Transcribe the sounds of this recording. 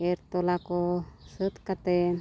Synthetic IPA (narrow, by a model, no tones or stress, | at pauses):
eɾt̪olakɔsət̪kat̪e